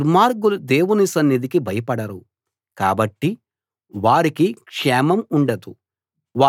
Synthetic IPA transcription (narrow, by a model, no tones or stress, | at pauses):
ɾmaːɾɡulud̪eːwunisɐnːid̪ikibʱɐjɐpɐɽɐɾu | ka̰ːbɐʈːi | ʋaːɾikikʂɛːmɐmuɳɖɐd̪u | ʋaː